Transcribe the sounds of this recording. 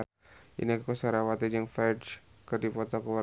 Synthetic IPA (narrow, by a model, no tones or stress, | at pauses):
ḭnikusaɾawat̪id͡ʒəŋfɛdskərdipɔt̪ɔkuwa